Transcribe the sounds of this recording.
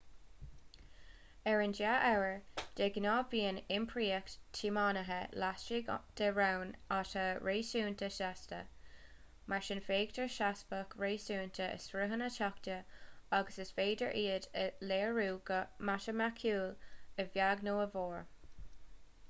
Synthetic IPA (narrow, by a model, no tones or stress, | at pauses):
ɛɹɪnd͡ʒaʔɛwəɹd̥eɡnɑːviːənɪmpʰɹiːəktʰimɑːnəɦəlast͡ʃiɡd̪̥əɹawnatəɹeːsuːntʰəʃastə̰ | maɹʃɪnfeːɡdəɹʃasbəkʰɹeːsuːntʰəə̰sɹəɦənətʰɔktəaɡəsəsveːdə̰ɹʔiːədəleːɹuːɡəmaʃəmakʰuːləvjaɡnoːəvoːɹ